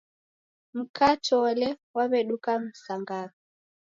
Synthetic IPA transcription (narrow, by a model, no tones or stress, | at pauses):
m̩kʰatɔlɛwaβɛɗukam̩saŋɡa